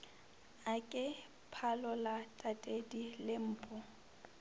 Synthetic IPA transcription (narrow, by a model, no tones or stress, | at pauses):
akʼɪ | pʰalɔlatʼatʼedilɪm̩ːpʼɔ